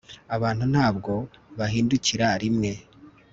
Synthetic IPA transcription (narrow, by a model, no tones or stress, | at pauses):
aβaːnhun̥haːbɡo̞βaɦiːnduciɾaɾimŋe̞